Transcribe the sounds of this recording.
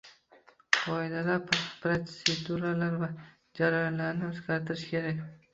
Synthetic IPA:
qʰɒed̪ad̪apɾoed̪uɾalaɾva | d͡ʒaɾajɒnlaɾnɪɵzɡʲaɾt̪ʰɪɾɪʃkʲʰe̞ɾakʲ

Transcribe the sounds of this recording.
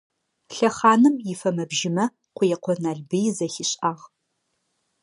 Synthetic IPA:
ɬɐχɑːnɨmjɪfɐmɐbʒɪmɐ | qʷʊjɛqʷɔnaːɮbɨjzɐxɪɕʼaːʁ

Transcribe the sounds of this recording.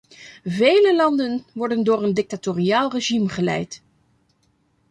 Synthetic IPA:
vejləlɑndənʋɔɹdəndʊːɹəndɪk̚tatoːriaːlˠreʒimχəlɛ̰jt

